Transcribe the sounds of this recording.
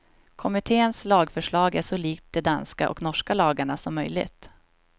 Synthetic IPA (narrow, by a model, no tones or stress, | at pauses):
kʰɔmɪt̪ʰeːənslɑːɡfœʂɭɑːɡæʂɔliːk̚t̪̚d̪ɛd̪anska̰ʔɔ̰knɔʂkalɑːɡaɳasɔmːœjlɪ̰ɡt̪